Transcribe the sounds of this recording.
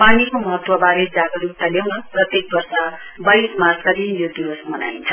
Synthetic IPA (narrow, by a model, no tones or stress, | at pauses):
panikomʌɦʌt̪wʌbaɾed͡zaɡʌɾuk̚t̪ʌljawnʌrʌt̪jek̚bʌrsa | bʌjsmarskad̪injod̪iwʌsmʌna̰jnt͡sʰʌ̥